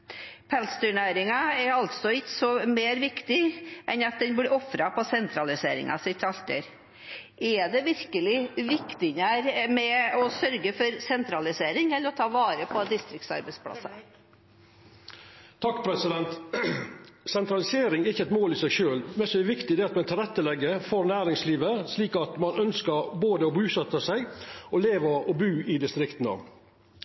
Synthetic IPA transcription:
pʰɛlst̪ʉɳæːɾɪŋɑɛɾɑlt̪sɔɪtsɔmeːɾʋɪkt̪ɪʔɛnɑt̪̚d̪ɛnblɪɔfɾɑpʰɔsɛnt̪ɾɑlɪsḛːɾɪ̰ŋɑ̰sɪt̪ʰɑlt̪ə̰ɾ | ʔɛd̪ɛʋɪɾkəlɪʋɪkt̪ɪnæɾmɛɔsœɾɡəfɔɾsɛnt̪ɾɑlɪseːɾɪŋɛlːəɾɔt̪ʰɑːʋɑːɾəpʰɔd̪ɪst̪ɾɪkt̪sɑ̰ɾbɛɪspʰɽɑ̰sɑ̰ | t̪ʰɑkːpʰɾɛsɪd̪ɛnt̪ | sɛnt̪ɾɑlɪseːɾɪŋæɾɪçːəɛt̪moːliːsæɪʃøːlmɛnsɔɛʋɪkt̪ɪd̪ɛːɑt̪mɛnt̪ʰɪlɾɛt̪ːəlɛɡːəfɔɾnæːɾɪŋsliːʋəsliːkɑt̪mɑnœnskəɾboːd̪əɔbʉːsɛt̪ːəsæɪɡɔleːʋəɔbʉːɪd̪ɪst̪ɾɪkt̪n̩ɑ̰

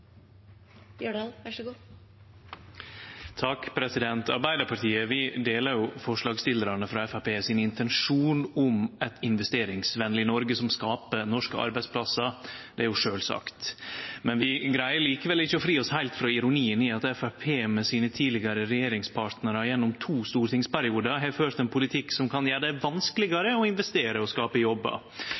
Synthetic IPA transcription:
jøɖ̪ʋæʂɡuː | t̪ʰɑkpʰɾɛsɪd̪ɛnt̪ʰɑ̰ɾbæɪd̪əɾpʰɑʈ̪iːəʋɪd̪eːləɾjʊfɔʂɭɑːɡst̪ɪləɾɑnəfɾɑɛfæpeːsɪnɪnt̪ʰɛnʂuːnʊmɛt̪ɪnʋɛst̪eːɾɪŋsʋɛnlɪnɔɾɡəsɔmskɑːpənɔʂkəɑ̰ɾbæɪspʰlɑsɑd̪ɛæɾjʊʂøːlsɑ̰kt̪mɛnʋɪɡɾæɪəɾɭiːkəʋɛlɪçːəɔfɾiːɔshæɪlt̪fɾɑɪɾʊniːəniɑt̪ɛfæpʰeːmɛsiːnət̪ʰiːdlɪɡɑɾəɾɛjeːɾɪŋspʰɑːɾʈ̪nəɾɑjɛnːɔmt̪ʰuːst̪uːɾət̪ʰɪŋspæɾɪuːd̪əɦɛɾføːɾt̪ɛnpʰʊlɪt̪ʰɪkːsɔmkʰɑnjæːɖɛʋɑnskəlɪɡɑɾəɔɪnʋɛst̪eːɾəɔskɑːpəjɔbːɑ̰

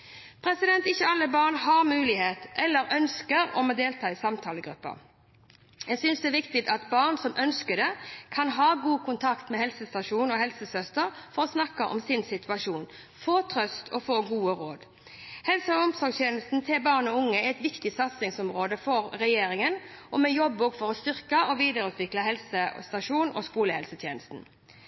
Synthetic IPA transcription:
pʰɾɛsɪd̪ɛnt̪ɪçːəɑlːəbɑːʁnhɑʁmʉːlɪheːt̪ʔɛlːəɾœnskəʁɔ̰moːd̪eːlt̪ʰɑːɪsɑmt̪ʰɑːləɡɾʉ̰pːə̰ | jɛsʏnsd̪ɛːʋɪkt̪ɪt̪ɑt̪bɑːʁnsɔmʔœnskəd̪ɛkʰɑnɦɑːɡuːkʰʊnt̪ʰɑkt̪mɛhɛlsəst̪ɑʂuːnɔhɛlsəsœst̪əʁfɔʁɔsnɑkːəʔɔ̰msɪnsɪt̪ʉɑʂuːn | foːt̪ʰʁœst̪ʰɔfoːɡuːəɾoːd̪ | hɛlsəɔɔmsɔɡst̪jeːnəst̪n̩sʰɪlbɑːʁnɔʊŋːəɛɛt̪ʋɪkt̪ɪsɑt̪sɪŋsɔmʁoːd̪əfɔʁɾɛjeːɾɪŋənʔɔmɛjɔbːoːɡfɔʁɔst̪ʏʁkəʔɔʋiːd̪əʁʉːt̪ʋɪklɑɦɛlsəst̪ɑʂuːnɔ̰skuːləhɛlsət̪ʰjeːnəst̪n̩

